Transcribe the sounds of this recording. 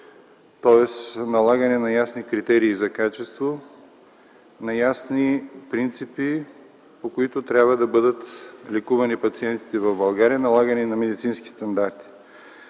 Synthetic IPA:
t̪ɔɛsnɐlˠaɡɐnɛnɐjasnikɾit̪ɛɾiːzɐkat͡ʃɛst̪vo | nɐjasnipɾint̪sipi | pokoit̪ʊt̪ɾʲabvɐd̪ɐbɤd̪ət̪lɛkuvɐnipɐt̪siɛnt̪i̥t̪ɛvɐvbɐlˠɡaɾijɐnɐlˠaɡɐnɛnɐmɛd̪it̪sinski̥st̪ɐnd̪aɾt̪i̥

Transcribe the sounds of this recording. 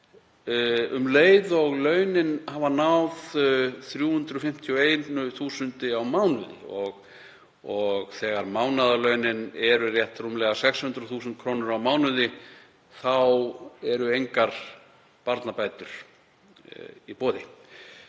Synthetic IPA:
ʏmleːjðɔɣlœɥnɪnhaːvanawðθɾjuːhʏnt̪ɾʏɔfɪm̥t̪ʰiɔeːjnʏθuːsʏnt̪ɪawmawnʏðɪ̰ɔɣ | ɔɣθɛːɣaɾmawnaðalœɥnɪnɛɾʏrjɛht̪rumlɛɣasɛkshʏnt̪ɾʏθuːsʏnt̪̚kʰɾoːwnʏɾawmaːwnʏðɪ | θawɛɾʏejŋkaɾ̥ | paɾt̪napajt̪ʏɾ̥ | ipoːðɪ

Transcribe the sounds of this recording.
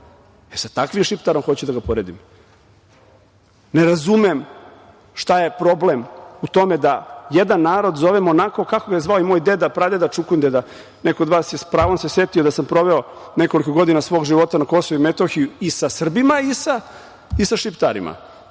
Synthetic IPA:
eɾsat̪akʋimʃipt̪aɾo̞mxot͡ɕud̪aɡapoɾeːd̪im | neɾazumem | ʃt̪aje̞pɾo̞blemut̪o̞med̪ajed̪anːaːɾo̞d̪zo̞ʋemonako̞kako̞ɡajezʋaoimoːjd̪e̞d̪apɾad̪ed̪at͡ʃukund̪ed̪a | nekood̪ʋaːsjespɾaːʋo̞mse̞set̪iod̪asampɾo̞ʋeo | ne̞ko̞likoɡo̞d̪inasʋo̞ːɡʒiʋo̞t̪anako̞soʋuimet̪oxijuisasr̩bimaisa | isaʃipt̪a̰ɾḭmʔa̰

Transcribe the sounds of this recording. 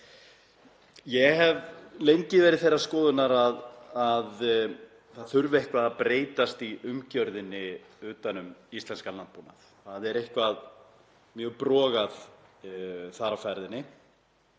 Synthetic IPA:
jɛɦɛvlejɲcɪvɛːɾɪðθejraskɔːðʏnaɾaðað | θaðθʏɾvɪehkvaðapɾeːjt̪ast̪iʔʏmcœɾðɪnːɪ | ʏːt̪anʏmist̪lɛnskalanpunaθ | θaðɛɾejhkvað | mjœːɣpɾɔːɣað | θaɾafɛɾðɪnːɪ

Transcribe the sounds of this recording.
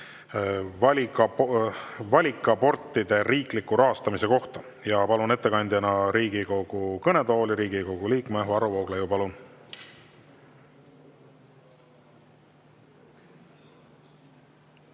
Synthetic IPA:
vɑlʲiɑ | vɑlʲikːˑɑpo̞rt̪ːˑid̪e̞ɾiːklikːˑuɾʔɑɦɑst̪ɑmise̞ko̞ht̪ɑ | jɑpɑlune̞t̪ːe̞kɑnʲd̪jɑnɑɾiːɡ̥iko̞ɡ̥ukɤne̞d̪o̞ːliɾiːɡ̥iko̞ɡ̥uliːkmevɑɾuvoːɡ̥lejupɑlun

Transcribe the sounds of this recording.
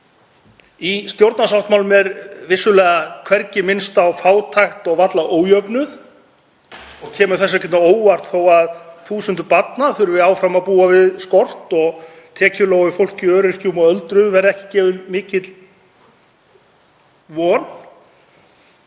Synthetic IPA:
ist̪jowɾt̪nasawht̪mawlʏmɛɾvɪsːʏlɛːɣakʰvɛɾcɪmɪnst̪awfaːwt̪ʰajxt̪ɔɣvat̪laʔoːwjœpnʏθ | ɔɣcʰɛːmʏ̥θɛsːacɛt̪naoːwvar̥t̪θowaðθuːsʏnt̪ʏpat̪naθʏɾvɪaːwfɾamaðpuːavɪðskɔr̥t̪ɔɣ | t̪ʰɛːcʏloːwɪfowl̥cɪœːɾɪr̥cumɔɣœlt̪ɾʏvɛɾɛhcɪ̥cɛːvʏlmɪːcɪt̪l | vɔːn

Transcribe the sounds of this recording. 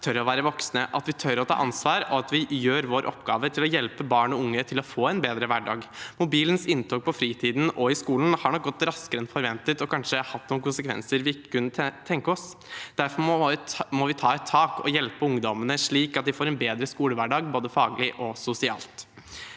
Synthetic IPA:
t̪ʰœɾɔʋæːɾəʋɔksnəʔɑt̪ʋɪt̪ʰœɾɔt̪ʰɑ̰ːʔɑnsʋɑːɾɔɑt̪ʋɪjøːɾʋoːɾʔɔ̰pɡɑ̰ːʋət̪ʰɪlɔjɛlpəbɑːɳɔʊŋːət̪ʰɪlɔfoːɛnbeːd̪ɾəʋæɖɑ̰ːɡmʊbiːlənsɪnt̪ʰɔːk̚pʰɔfɾiːt̪ʰiːd̪n̩ɔɪskuːln̩hɑɳɔk̚ɡɔt̪ːɾɑskəɾɛnfɔɾʋɛnt̪ət̪ɔkʰɑnʂəhɑt̪ːnuːnkʊnsəkʰʋɛ̰nsəɾʋɪɪkːə̥kʉnːət̪ʰɛŋkəɔsd̪̥æɾfɔ | mɔʋɪt̪ʰɑːɛt̪ʰːɑːkɔ̰jɛlpəʊŋd̪ɔmənəʂɭiːkɑt̪̚d̪ɪfoːɾɛnbeːd̪ɾəskuːləʋæɖɑːɡboːd̪əfɑːɡlɪʔɔsʊsɪɑ̰ːlt̪

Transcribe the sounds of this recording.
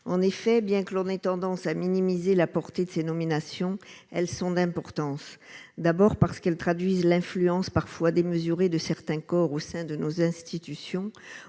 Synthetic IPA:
ɑ̃nefɛbjɛ̃kəlɔ̃nɛt̪ɑ̃d̪ɑ̃saminimizelapɔʁt̪ed̪əsenɔminasjɔ̃ɛlsɔ̃d̪ɛ̃pɔʁt̪ɑ̃sd̪abɔʁpaʁsə̥kɛlt̪χad̪ɥizlɛ̃flyɑ̃spaʁfwad̪eməzyʁed̪əsɛʁt̪ɛ̃kɔʁosɛ̃d̪ənozɛ̃st̪it̪ysjɔ̃

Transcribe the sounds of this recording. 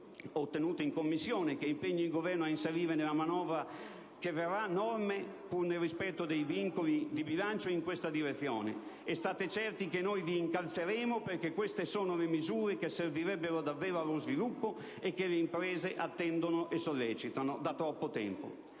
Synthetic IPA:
ot̪ːenuːt̪eiŋkomːisːjɔːnek̟eimpeɲːiiŋɡovɛrnoainseɾiːɾenelamanɔːvɾa | k̟everːanːɔrme | purnelrːispɛt̪ːod̪ejviŋkolid̪ibilant͡ʃoiŋkwest̪ad̪iɾet̪sːjɔ̰ːnḛ | ɛst̪aːt̪et͡ʃɛrt̪ikenːojviːŋkalt̪seɾeːmoperk̟ekːwest̪esoːnolemizuːɾekesːerviɾɛbːeɾod̪avːɛːɾoalːozvilupːo | ekːeleimpɾɛːzeʔat̪ːɛnd̪onoʔesːolːɛːt͡ʃit̪anod̪at̪ːɾɔpːot̪ɛ̰mpo̰

